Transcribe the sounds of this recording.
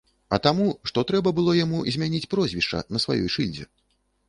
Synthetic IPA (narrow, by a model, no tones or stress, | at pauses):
ɐt̪amuʂt̪ɔt̪ɾɛbɐbɨlˠɔjamuzʲmʲanʲit͡sʲpɾɔzʲvʲiʂt͡ʂɐ̰nɐsva̰jɔ̰jʂɨlʲd͡zʲɛ̰